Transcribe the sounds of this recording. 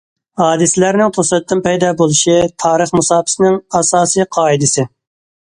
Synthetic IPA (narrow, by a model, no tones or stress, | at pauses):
hɑːd̪ɨsɪlæɾnɪŋt̪ʰosɛt̪̚ːɪnpɛjd̪ɑːbolˠuʃit̪ʰɑːɾəχmusɑːpʰɪ̥sɪnɪŋɑsɑːsɨjqʰɑːid̪ɨsɪ